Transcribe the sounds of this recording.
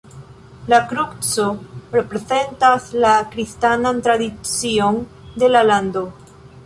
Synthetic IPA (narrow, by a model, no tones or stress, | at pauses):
lakɾukt͡sorepɾe̞ze̞ntaslakɾistanant̪ɾadit͡sio̞n | d̪e̞laland̪o̞